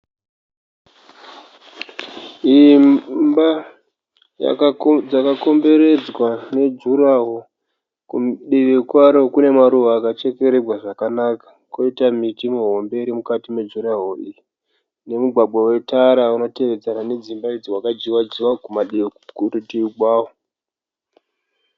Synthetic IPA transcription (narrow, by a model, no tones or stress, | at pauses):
i | ba | ja̰d͡zakako̞mbe̞ɾe̞d͡zwane̞d͡ʒuɾaɦo̞ | kumɗiʋekwaɾo̞kune̞maɾuʋaːkat͡ʃe̞ke̞ɾerwaʐakanakḁ | ko̞itamitimeɦo̞mbe̞ɾimukatime̞d͡ʒuɾaɦoʔiji | ne̞muɡʱwaɡ͡bawe̞taɾauno̞te̞ʋe̞d͡zanane̞d͡zimbaid͡ziwakad͡ʒiwad͡ʒiwakumaɗiekurutiiɡwaːwo